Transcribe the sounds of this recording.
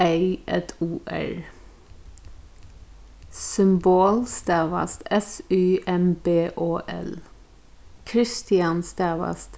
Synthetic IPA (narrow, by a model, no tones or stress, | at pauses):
eɪʔɛt̪ʰuːʔæ̰ɹ | sʏmboːlst̪æːʋɑ̰st̪ɛsʉːʔɛmbeːʔoːʔɛ̰l | kʰɾɪst̪ɪɑnst̪æːʋɑ̰st̪